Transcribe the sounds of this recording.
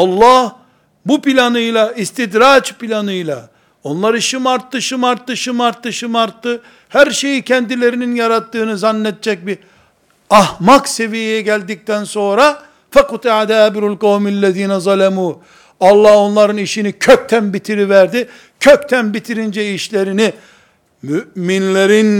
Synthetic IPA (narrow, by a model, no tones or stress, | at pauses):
ɑlˠːɑh | bupilʲanɯjlˠaist̪id̪ɾat͡ʃpilʲanɯjlˠa̰ | o̞nlˠaɾɯiʃimaɾt̪ːɯʃɯmaɾt̪ːɯʃɯmaɾt̪ːɯʃɯmaɾt̪ːɯ | hæɾʃe̞jicʰɛnd̪ilʲe̞ɾininjaɾat̪ːɯːnɯzanːɛd̪̚t͡ʃɛc̚bi | ɑhmakse̞vijijɛɟælʲd̪ic̚t̪ʰænso̞nɾa | fɛqut̪iʕad̪æbɾulqawmælːɛðiːnɛzˤɑlɛmuː | ɑlˠːɑho̞nlˠaɾɯniʃinicʰøc̚t̪ʰænbit̪ʰiɾivæɾd̪i | cʰøct̪ʰænbit̪ʰiɾind͡ʒɛiʃlʲe̞ɾini | myʔminlʲeɾin